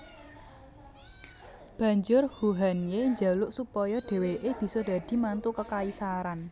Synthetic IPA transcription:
b̥ä̤ɲd͡ʒʊrhuɦanjeɲd͡ʒalʊʔsupɔjɔɖ̪̥e̤weʔeb̥i̤sɔd̪̥ä̤d̪̥i̤mant̪ukəkaisaɾan

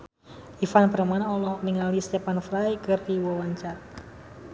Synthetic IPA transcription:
ʔifanpəɾmanɔlɔniŋalist̪ɛpanfɾajkɨrdiwɔwaɲt͡ʃar

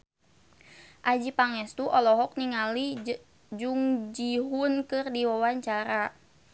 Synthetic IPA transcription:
ʔad͡ʒipaŋɛst̪uʔɔlɔɦɔk̚niŋali | d͡ʒuŋd͡ʒiɦunkɨrdiwawaɲt͡ʃaɾa

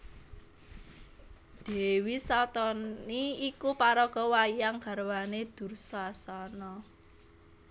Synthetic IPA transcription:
d̪̥ɛ̤wisalt̪ɔniikupaɾɔɡ̥ɔ̤wajaŋɡ̥a̤rwaned̪̥ṳrsasanɔ

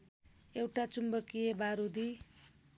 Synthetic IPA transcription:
ewʈat͡sumbʌkijebaɾud̪i

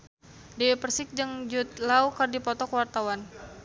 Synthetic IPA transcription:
diepərsɪk̚d͡ʒɨŋd͡ʒut̪̚lawkərdipɔt̪ɔkwart̪awan

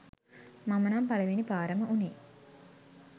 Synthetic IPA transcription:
mamənaːmpalɐʋinipaːɾəməuniː

